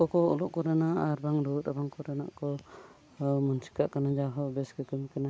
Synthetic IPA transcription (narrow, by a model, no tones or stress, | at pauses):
kɔkɔɔ̰lɔʔkɔɾɛnaʔaɾbaŋɾut̪̚abaŋkɔɾɛna̰ʔkɔ | munsi̥kaʔkanad͡ʒaɦɔbɛskɛkimkɛna